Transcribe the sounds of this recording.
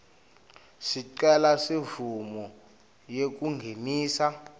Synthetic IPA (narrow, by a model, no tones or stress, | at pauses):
siǀɛlasivumɔ | jek̬uŋɡʱemiːsa